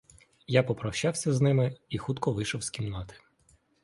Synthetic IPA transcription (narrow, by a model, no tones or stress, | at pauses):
japɔpɾɐwʃɑwsʲɐznɪmɪixut̪kɔʋɪʃɔwsʲkʲimnɑt̪ɪ̥